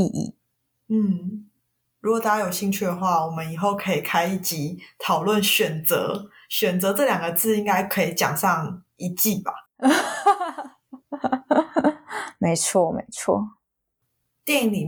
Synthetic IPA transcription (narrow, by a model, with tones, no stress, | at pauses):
i˥˧ʔḭ˨˩ | n̩˥˩ | ɻu˧˥ɡo˨˩t̪a˥˩a˥˧jo˨˩ʊɕi˥˧ŋt͡ɕʰy˥˩d̪ə˩xwa˥˩wɔ˨˩mə˦ni˨˩xo˥˩ʊkʰɤ˧˦i˨˩kʰa˥ɪi˥˩t͡ɕi˨˦t̪ʰɑ˨˩ʊlwə˥˨nɕɥɛ˨˩nt͡sə̰˧˦ | ɕɥɛ˨˩nt͡sɤ˧˦t͡sɤ˥˨ljɑ˨˩ŋɡə˩t͡sɹ̩˥˩i˥ŋka˥ɪkʰɤ˧˦˥i˨˩t͡ɕjɑ̰˨˩ŋʂɑ˥˨ŋ | i˧˥t͡ɕi˥˨ba˨˩ | me˧˦ɪt͡sʰwɔ˥˩mḛ˧˥ɪt͡sʰwɔ̰˥˩ | t̪jɛ˥˨n˥ni˨˩